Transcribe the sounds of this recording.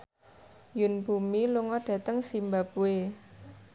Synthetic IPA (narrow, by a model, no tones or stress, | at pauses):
junbumiluŋɔɖ̥ä̤t̪əŋsimbap̚ue